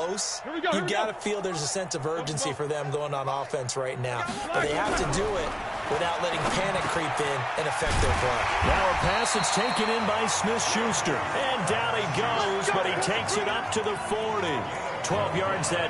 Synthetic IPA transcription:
oʊs | jɨɡɑɾɨfilˠðə˞zəsɛ̃nsʌvɜ˞d͡ʒɨ̃nsifə˞ðɨ̃mɡoʊɪ̃ŋə̃nɔfɛ̃nsɹaɪtⁿnaʊb̥ʌt̪̚ðeɪhæftɨdɨɪt̚ | wɨθaʊtˡlɛɾɪ̃ŋpʰænɨkʰɹ̥ipɪ̃nɨ̃nɨfɛk̪̚ðəbɹʌnaʊəpʰæsɨtstʰeɪkɨ̃ñɪ̃nbaɪsmɪθʃʉstə˞ | ɨ̃ndælˠiɡoʊzbʌt̚hitʰeɪksɨɾʌp̚tʰɨðəfɔɹɾi | tʰw̥ɛlˠvjɑɹdzɨ

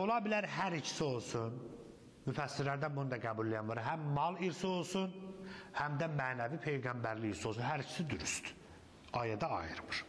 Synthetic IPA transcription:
o̞lˠɑbilæɾɦæɾit͡ʃʰi̥sio̞lˠsun | myfæsːiɾlæɾd̪ænbunud̪ɑɡæbulːijɑnvɑɾɦæmːɑlˠiɾsio̞lˠsunhæmd̪æmæːnævipʰe̞jɡɑmbæɾliːɾsiolˠsunɦæɾit͡ʃʰi̥sid̪yɾyst̪ | ɑjɑd̪ɑɑ̰jɯɾmɯɾ̥

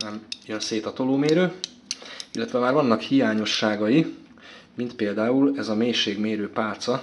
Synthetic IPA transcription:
nɛmjønseːt̪ɒt̪oloːmeːɾøː | ilːɛt̪ʋɛmaːrvɒnːɒkhijaːɲo̞ʃːaːɡɒji | mint̪peːld̪aːulɛzɒmeːʃeːɡmeːɾøːpaːlt̪sɒ

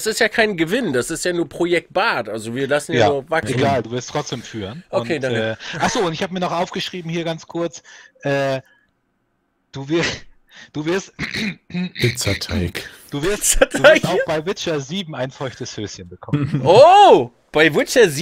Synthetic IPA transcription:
sɪstjaːkʰaɪnɡəvɪndasɪstjaːnuːɐpʁ̥ojɛk̚t̚b̥aːtʔalzoviːɐlasn̩jaoːvakʔsenɡaːlduːvɪɐstʁ̥ɔt͡sd̥eːmfyːʁənʔoʊkʰeːdaŋkɛːʔaχz̥oːʊntɪçhaːbəmiːɐnɔχʔaʊfɡ̥əʃʁ̥iːbm̩hiːɐɡant͡skʰʊɐt͡sʔɛː | d̥uːvɪɐ | d̥uːvɪɐst | pɪt͡sɐtʰaɪk | d̥uːvɪɐst͡sɐtʰːastaʊb̥aɪvɪt͡ʃɐziːbm̩aɪnfɔʏçtəshøːsçənbəkʰɔməno | b̥aɪvɪt͡ʃɐz

